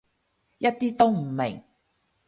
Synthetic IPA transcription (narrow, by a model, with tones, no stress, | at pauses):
jɐ˥t̚t̪iː˥t̪o˥wm̩˨˩mɪ̰˨˩ŋ